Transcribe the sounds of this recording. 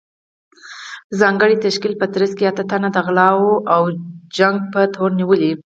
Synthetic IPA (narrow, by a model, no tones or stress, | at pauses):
zɑŋɡəɽit̪aʃkilpət̪ɾəskeat̪at̪anad̪əɣlɑwoʔawd͡ʒaŋɡ̚pət̪oɾniwəli